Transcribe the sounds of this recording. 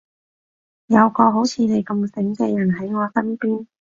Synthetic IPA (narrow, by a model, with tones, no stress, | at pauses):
jɐ˨˧wkɔː˧ɦo˨˥wt͡sʰiː˨˧ne˨jkɐ˧msɪ˨˥ŋkɛː˧jɐ˨˩nɦɐ˨˥jŋɔː˨˧sɐ˥npiː˥n